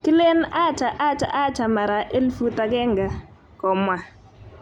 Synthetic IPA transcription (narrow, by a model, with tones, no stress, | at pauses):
kɪ˦le˦na˦˨t͡ʃa˨ʔa˦t͡ʃa̰˨ʔa˦t͡ʃa˨ma˨ɾa˨ʔe˦lfu˦ta˨ɡɛ˦ŋɡa˨ | kɔ˨mwa˨